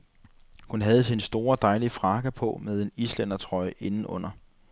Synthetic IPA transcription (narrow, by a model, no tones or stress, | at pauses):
hunɦæð̞̩ˠsinsd̥o̝ːɐd̥ɑ̈ɪlifʁɑ̈ɡ̥æpʰɔ̽með̞ˠe̝nislen̰ɐt͡sʰʁɒ̽ɪe̝nn̩ɔ̽n̰ɐ